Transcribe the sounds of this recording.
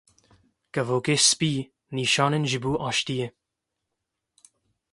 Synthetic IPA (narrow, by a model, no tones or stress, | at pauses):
kɐvoːkespiː | niːʃɑːnɪnʒɪbuːʔɑːʃt̪ije